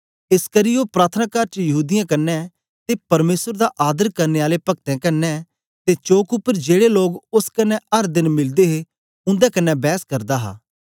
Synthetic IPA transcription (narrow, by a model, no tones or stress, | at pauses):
ɪskɐɾiopɾaːt̪ʰənaːkaːɾt͡ʃjɐɦuːd̪ɪjãkɐnːɛ | t̪epɐɾmeːsəɾd̪aʔaːd̪əɾkɐɾneaːlepɐk̚t̪ɛ̃kɐnːɛ | t̪et͡ʃoːkʊpːəɾd͡ʒeːɽeloːɡʊskɐnːɛɐɾd̪ɪnmɪld̪eɦe | ʊ̃nd̪ɛkɐnːɛbɛːskɐɾd̪aɦa̰ː